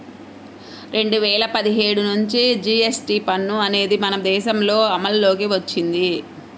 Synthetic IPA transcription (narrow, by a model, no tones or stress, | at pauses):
ɾe̞ɳɖuʋɛːɭɐpɐd̪iɦe̞ːɽunuɲt͡ʃid͡ʒiːesʈiːpɐnːuɐne̞ːd̪imɐnɐd̪ɛːʃɐmlo̞ːɐmɐlːo̞ːk̬iʋɐt͡ʃːind̪i